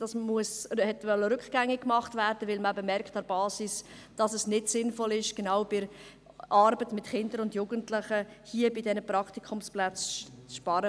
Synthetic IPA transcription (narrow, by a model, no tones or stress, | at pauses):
d̥ɑsmuəshɛtʋœlːəɾʏkɡ̥æŋːɪkːmɑχtvæːɾd̥əvɪlməɛbəmɛɾkχtɛɾb̥ɑːsisd̥ɑsɛsnɪtsɪnfɔlɪʃɡ̥enawb̥ɪɾ | ʔɑɾbətmɪtχɪndəɾʊndjuːɡ̥əntlɪχəhiəbidɛnəpɾɑktikʰʊmsplæt͡st͡sʃpɑɾə